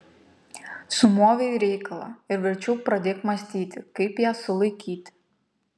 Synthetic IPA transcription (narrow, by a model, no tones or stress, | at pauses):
sʊmoːʋʲeɾʲɛɪkɐlˠɐ̰ɪɾʋʲɪɾʲt͡ʃʲɛʊpɾɐd̪ʲeːkmɐsʲt̪ʲiːt̪ʲɪkɐɪpjæːsʊlˠɐɪkʲiːt̪ʲ